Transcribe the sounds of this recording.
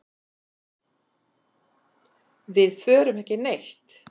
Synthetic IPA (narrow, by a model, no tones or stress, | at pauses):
vɪðfœːɾʏmɛhcɪnejxt̪